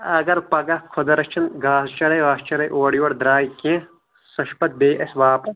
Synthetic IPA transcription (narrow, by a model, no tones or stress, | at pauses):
ɐɡɐɾpɐɡɐkʰod̪ɐɾɐt͡ʃʰɐnɡaːst͡ʃɐɽɐjʋaːst͡ʃɐɽɐjʔoːɽjoːɽd̪ɾaːjkẽː | sɐʃpɐt̪̚beːʔɐsʋaːpɐs